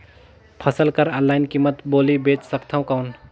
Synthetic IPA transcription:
pʰəsəlkəɾə̃laːɪnkiːmːət̪boːlibeːt͡ʃsəkt̪ʰaũkaʊn

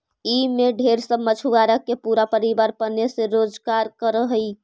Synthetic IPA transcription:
imeɖʱeɾsəmət͡ʃʰuʋaɾəkːepuɾapəɾibaɾpənesẽɾod͡ʒkaɾkəɾəɦəj

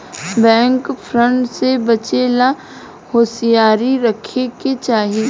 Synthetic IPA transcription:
bɛ̃ːŋkfʰɾə̃ɳʈsebɐt͡ʃeːla | hoːsijaːɾiɾɐkʰeket͡ʃaːɦiiː

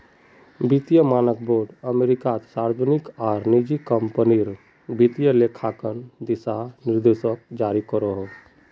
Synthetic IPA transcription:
bit̪ijəmaːnək̚boɾɖəmeɾikat̪saɾd͡ʒənikaɾnid͡ʒikəmpəniɾ | bit̪ijəlekʰakənd̪isanɪɾd̪esək̚d͡ʒaɾikəɾəɦo

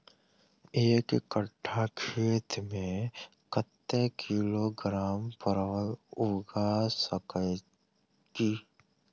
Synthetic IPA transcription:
eːkɪkəʈʰːakʰeːt̪mẽ | kət̪ːekʰiloɡɾaːmpəɾʋəlʊɡasəkə | k̪iː

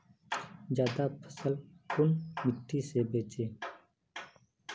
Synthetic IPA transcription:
d͡ʒjaːd̪aːpʰə̥səlkʊnmɪʈʰːiːseːbeːt͡ʃeː

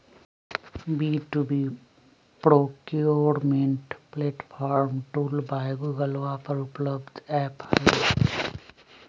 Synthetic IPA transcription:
biʈubi | pɾoːkoɾmeɳʈpleʈpʰaːɾmʈulbajɡuɡəlʋapəɾupləbd̪ɛphɐje

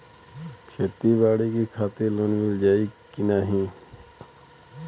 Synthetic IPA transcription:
kʰeːt̪ibaːɽikikʰaːt̪ɪɾloːnmɪld͡ʒaːikinaːɦĩː

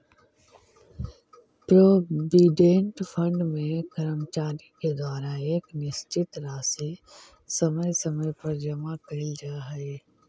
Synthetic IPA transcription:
pɾoːʋiɖẽːɳʈfʰə̃ɳɖmẽkɐɾəmt͡ʃaːɾiked̪waːɾaeːknɪʃt͡ʃɪt̪ɾaːsi | sɐməjsɐməjpɐɾd͡ʒɐmakɐɪld͡ʒaːɦɐeː

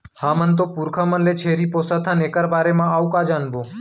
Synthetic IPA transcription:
hãːmənt̪̬oːpuːɾkʰaːmənleːt͡ʃʰeːɾiːpoːsaːt̪ʰaneːkəɾbaːɾeːmãːaːukaːd͡ʒaːnboː

